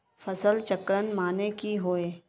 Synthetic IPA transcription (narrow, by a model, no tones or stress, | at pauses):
fɐsəlt͡ʃəkɾənmaːnekiɦoːeː